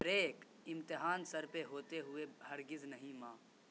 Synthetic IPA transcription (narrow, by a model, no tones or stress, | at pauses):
ɾeːk | ɪ̃mt̪ɪɦaːnsɐɾpeɦoːt̪eɦʊehɐɾɡɪznɐɦĩmãː